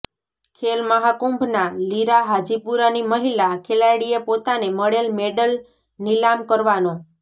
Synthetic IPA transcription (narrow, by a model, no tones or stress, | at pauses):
kʰelməɦakumbʱnaliɾaɦad͡ʒipuɾaniməɦilakʰelajɽiepot̪aneməɽelmeɖəl | nilamkəɾʋano